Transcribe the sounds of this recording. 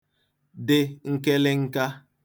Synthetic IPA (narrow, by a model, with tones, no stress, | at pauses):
dɪ˨ŋ̩˦ke˦lɪ˦ŋ̩˦ka˦